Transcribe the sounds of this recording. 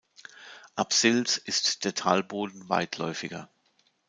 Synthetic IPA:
ʔapsɪlsɪstd̥eːɐtʰaːlboːdn̩va̰ɪtʰlɔ̰ʏfɪɡɐ̰

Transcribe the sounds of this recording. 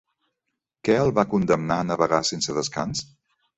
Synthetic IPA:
kɛəlˠβakund̪əmnanəβəɣasensəðəska̰ns

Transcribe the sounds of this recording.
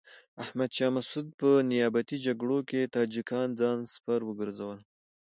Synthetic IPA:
ahmad̪ʃɑmasud̪̚pənɪjɑbat̪id͡ʒaɡɽoket̪ɑd͡ʒikɑnd͡zɑnspaɾwəɡəɾzawəl

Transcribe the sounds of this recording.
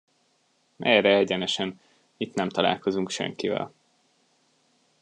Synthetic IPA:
mʔɛɾɛɛɟɛnɛʃɛn | it̪nɛmt̪ɒla̰ːlko̞zuŋkʃɛ̰ŋkivɛ̰l

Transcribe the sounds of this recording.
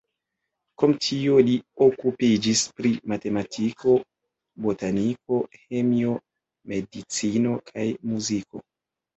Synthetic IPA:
komtʰio̞lio̞kupid͡ʒispɾimate̞matʰikʰo̞ | botaniko̞he̞mio̞ | me̞dit͡sino̞kʰajmuziko̞̰

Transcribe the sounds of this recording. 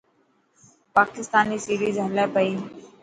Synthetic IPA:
paːkɪst̪aːniːsiːɾiːzəlɛːpəiː

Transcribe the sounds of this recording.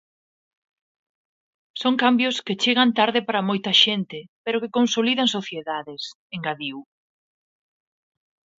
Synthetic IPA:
soŋkambjosket͡ʃeɣ̞ant̪aɾðɪpaɾɐmojt̪ɐʃent̪ɪpeɾokekonsoliðɐŋsoθjeðaðɪs | eŋɡaðiw

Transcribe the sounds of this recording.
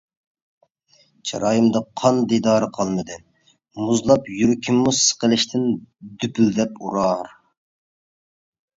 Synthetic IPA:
t͡ʃʰɑ̰ɾɑːjɨmd̪ɑqʰɑnd̪id̪ɑːɾɨqʰɑlˠmɨd̪ɨ | muzlˠɑpjyɾkʲʰimːusə̥qəlˠɪʃt̪ʰɪnd̪ypʰyld̪ɛpuɾɑɾ

